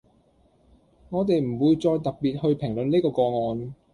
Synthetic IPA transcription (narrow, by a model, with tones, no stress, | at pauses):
ŋɔː˨˧t̪̬e˨jm̩˨˩wuː˨˧jt͡sɔː˧jt̪ɐ˨k̚piː˨t̚hɵ˧ɥpʰɪ˨˩ŋlɵ˨˧nneː˥kɔː˧kɔː˧ŋɔː˨˧n